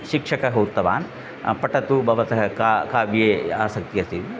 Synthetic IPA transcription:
ʃikʂɐkɐɦoːt̪ːɐʋa̰ːn | pɐʈɐt̪ubʱɐʋɐt̪ɐɦɐkakaːbjeːaːsɐkt̪ijɐɾt̪it̪i

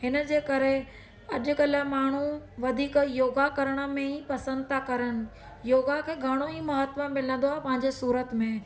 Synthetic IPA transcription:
ɦɪnə̆d͡ʑeːkɐɾe | ɐʄʊ̆ɠɐləmaːɳ̤uʋɐd̪ʱiːkjoːɡakɐɾəɽ̃ə̆mẽipɐsə̃nd̪̚t̪ʰakɐɾəɽ̃ɪ̆ | joːɡakʰeːɡʱɐɽ̃oimɐɦət̪ʋəmɪlə̃nd̪oaːɦepɐ̃ɦɪ̃ɲd͡ʑesuːɾət̪mẽ

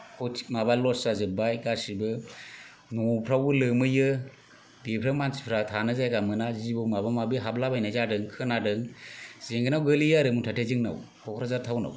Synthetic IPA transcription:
kʰɔtʰimabalɔtsazɯbajɡasibɯ | nɔpʰɾawɯlɯmɯjɯ | bepʰɾamansi̥pʰɾatʰanɯzajɡamɯnazibɯwmabamabɯɦablabajnazadɯŋkʰɯnadɯŋz̥eŋɡɯnawɡɯlijaɾɯmɯŋtʰatʰezɯŋna̰w | kʰɔkʰɾazaɾtʰawna̰w

